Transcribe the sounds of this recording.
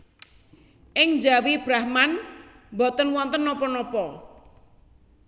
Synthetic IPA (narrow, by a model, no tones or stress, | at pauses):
ʔɪŋd͡ʒawib̥ɾahman | mbɔt̪ənwɔnt̪ənːɔpɔnɔpɔ